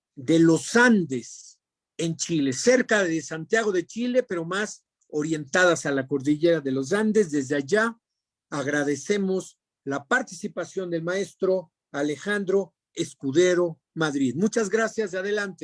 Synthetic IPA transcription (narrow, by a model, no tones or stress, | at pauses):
d̪e̞lo̞sand̪es | e̞nt͡ʃile̞seɾkaðesant̪jaɣ̞o̞ðe̞t͡ʃile̞pe̞ɾo̞mas | o̞ɾje̞nt̪aðasalako̞ɾðiʝeɾaðe̞lo̞s̬and̪e̞zðe̞zðeaʝa | aɣɾaðe̞se̞mo̞s | lapaɾt̪i̥sipasjo̞nd̪e̞lmae̞st̪ɾo̞ | ale̞xand̪ɾo̞ | e̞skuðe̞ɾo̞ | maðɾiðmut͡ʃazɣɾasjazaðe̞lant̪e